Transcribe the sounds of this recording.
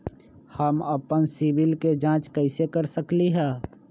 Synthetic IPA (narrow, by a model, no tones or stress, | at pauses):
həməpənsibɪlked͡ʒãːt͡ʃkəɪsekəɾsəkliɦɛː